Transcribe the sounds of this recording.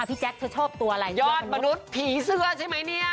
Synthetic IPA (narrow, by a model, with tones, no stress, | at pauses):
a˧˩pʰi˦˥t͡ɕɛ˦˥k̚t̪ʰɯ˧˥t͡ɕʰoː˥˩p̚t̪u˧ɐa˧ɾa˧jjɔː˥˩n̚ma˧nu˦˥t̪̚pʰiː˨˩˦sɯ˧˥ɐt͡ɕʰa˥˩jma˦˥jni˥˩ɐ